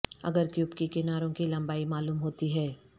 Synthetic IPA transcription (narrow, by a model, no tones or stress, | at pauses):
ɐ̰ɡəɾkjuːpkikɪnaːɾõkilɐ̃mbaːimaːluːmɦoːt̪iɦɛː